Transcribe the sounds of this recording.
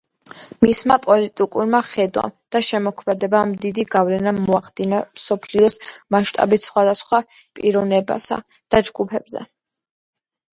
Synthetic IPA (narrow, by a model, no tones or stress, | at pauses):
mismapʼɔlit̪ʼikʼuɾmaχɛd̪wa̰md̪̥aʃɛmɔkʰmɛd̪ɛbamd̪id̪iɡavlɛnamɔaχd̪̥inamsɔpʰliɔsmaʃt̪ʼa̰bit̪sχwad̪asχwapʼiɾɔvnɛba̰sa̰d̪̥ad͡ʒɡupʰɛb̥zɛ̰